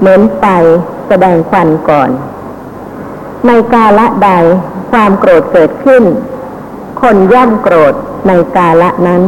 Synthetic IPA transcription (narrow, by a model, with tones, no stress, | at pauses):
mɯ˩˦ənpa˧j | sa˧dɛː˧ŋkʰwa˧nkɔː˨˩n | na˧jkaː˧la˦˥ʔda˧jkʰwaː˧mkɾoː˨˩t̪̚kɤː˨˩t̪̚kʰɯ˥˩n | kʰo˧nja˥˩ŋkɾoː˨˩t̪̚ | na˧jkaː˧la˦˥ʔna˦˥n